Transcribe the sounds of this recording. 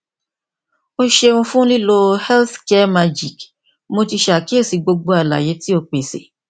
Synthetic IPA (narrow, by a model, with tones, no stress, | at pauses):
o˦ʃe˧ũ˧fũ˦li˦lo˧hɛ˦lθkɛ˦ma˧d͡ʒi˨k | mo˧ti˧ʃa˨ki˦e˦˨si˨˧ɡ͡bo˧ɡ͡bo˧a˧la̰˨je˨˦ti˦o˧k͡pe˨sḛ˨